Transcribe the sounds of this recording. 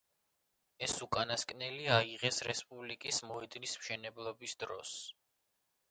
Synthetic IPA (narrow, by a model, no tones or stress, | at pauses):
ɛsukʼanaskʼnɛliaiʁɛsɾɛspʼublikʼismɔɛd̪nismʃɛnɛblˠɔbisd̪ɾɔ̰s